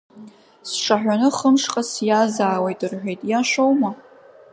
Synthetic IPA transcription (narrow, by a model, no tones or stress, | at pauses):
sʂaħᶣʷanɨχəmʂqʼasjazaːwejtʼɨrħʷᶣejtʼjaʃʷowma